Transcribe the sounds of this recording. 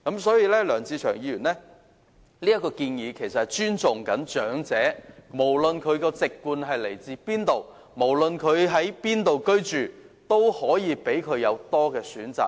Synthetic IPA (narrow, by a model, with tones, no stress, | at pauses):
kɐ˨˥msɔː˨˥jiː˨˧lɛː˥lœː˨˩ŋt͡sʰiː˧t͡ʃʰœː˨˩ŋjiː˧jyː˨˩nɛː˥ | liː˥jɐ˥t̚kɔː˧kiː˧njiː˨˧kʰe˨˩jsɐ˨thɐ˨˩jt͡ʃyː˥nt͡sʊ˨ŋkɐ˨˥nt͡ʃœː˨˥ŋt͡sɛː˨˥mo˨˩wlɵ˨nkʰɵ˨˧ɥkɔː˧t͡sɪ˨kkːuː˧nɦɐ˨jle˨˩jt͡siː˧piː˥nt̪o˨w | mo˨˩wlɵ˨˧nkʰɵ˨˧ɥɦɐ˨˥jpiː˥nt̪o˨wkɵ˥ɥt͡ʃyː˨˩t̪o˥whɔː˨˥jiː˨˧pe˨˥jkʰɵ˨˧ɥjɐ˨˧wt̪ɔː˥kɛː˧syː˨˥nt͡sa̰ː˨k̚